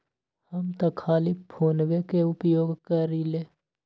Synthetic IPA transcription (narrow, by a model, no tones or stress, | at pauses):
hɐmt̪ɐkʰaːlipʰoːnɡekeʊpjoːɡkəɾileː